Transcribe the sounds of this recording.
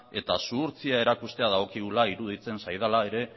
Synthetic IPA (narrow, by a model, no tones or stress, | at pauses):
e̞t̪asuɾt͡siae̞ɾakust̪e̞aðaɣo̞kiɣulaiɾuðit͡se̞nsajð̞alae̞ɾe̞